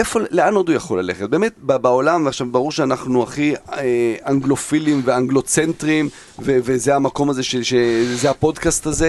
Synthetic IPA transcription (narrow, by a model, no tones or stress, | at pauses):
efo̞leano̞dujaχo̞lale̞χet̚beːmet̚babao̞lamveaχʃavbaʁuʁʃeanaχnuaχieaŋɡlo̞filimveaŋɡlo̞t͡sentʁim | vevezeamako̞maze̞ʃeʃezeapo̞dkast̪aze